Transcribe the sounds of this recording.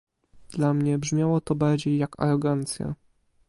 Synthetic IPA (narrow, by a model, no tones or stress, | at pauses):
d̪̥lamɲɛbʐmʲjawɔt̪ɔbaɾd͡ʑejːaka̰ɾɔɡant̪sʲja̰